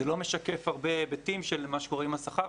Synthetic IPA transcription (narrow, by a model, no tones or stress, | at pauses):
elo̞meʃakefaʁbebetimʃelmaʃeko̞ʁimhasaχaʁ